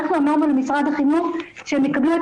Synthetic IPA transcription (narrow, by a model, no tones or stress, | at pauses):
χnuamaʁmalamisʁad̪aχimuʃehemjekablue